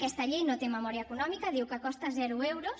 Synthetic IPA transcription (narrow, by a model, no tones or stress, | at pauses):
kɛst̪ɐʎejnot̪eməmɔɾiɐekunɔmikɐðiwkəkɔst̪ɐzɛɾuewɾos